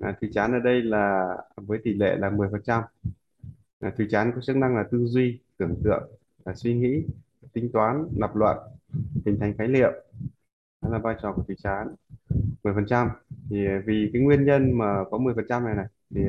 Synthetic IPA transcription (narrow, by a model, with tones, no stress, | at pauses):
ʔaː˨˩t̪ʰi˨˧˩t͡ɕaː˨˦nʔəː˧˩ɗə˧jlaː˨˩vəː˨˦jt̪i˧˩lḛ˧˨laː˨˩mɨ˨˩əjfə˨˩nt͡ɕa˧m˨˩ | t̪ʰwi˧˩t͡ɕaː˨˦nkɔ˨˦t͡ɕɨ˦˥k̚na˧ŋlaː˨˩t̪ɨ˧zwi˧t̪ɨ˧˩əŋt̪ɨ̰˧˨əŋ | laː˨˩swi˧ŋḭ˧˥˨ | t̪ï˧˦ŋ̟t̪waː˨˦nːa˨˩p̚lwa̰ː˧˨nh̪ï˨˩ŋ̟t̪ʰa˨˩jŋ̟xaː˨˦jlḭ˧˨əw | ɗɔ˨˦laː˨˩vaː˧jt͡ɕɔ˨˩ku˧˩ət̪ʰi˧˨˩t͡ɕaː˨˦nmɨ˨˩əjfə˨˩nt͡ɕa˧mt̪ʰi˨˩vi˨˩kaː˨˦jŋwi˧ənɲə˧nmaː˨˩kɔ˨˦mɨ˨˩əjfə˨˩nt͡ɕa˧mn˨˩jna˨˩jt̪ʰi˨˩